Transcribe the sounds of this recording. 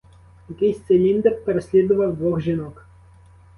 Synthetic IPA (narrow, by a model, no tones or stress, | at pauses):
jɐkɪjsʲt̪selʲind̪ɛppeɾesʲlʲid̪ʊʋɐwd̪ʋɔxʒinɔk